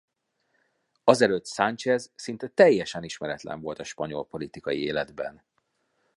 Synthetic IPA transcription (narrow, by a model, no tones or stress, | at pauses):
ɒzɛløt̪sant͡ʃɛzsint̪ɛt̪ɛjːɛʃɛniʃmɛɾɛt̪lɛ̰ɱvo̞lt̪ɒʃpɒɲo̞lpo̞lit̪ikɒjieːlɛd̪bɛ̰n